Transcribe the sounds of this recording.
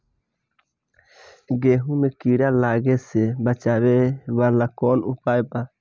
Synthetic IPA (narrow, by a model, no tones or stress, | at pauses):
ɡeɦunekiɾalaɡesebat͡ʃaβeβalakonupajpa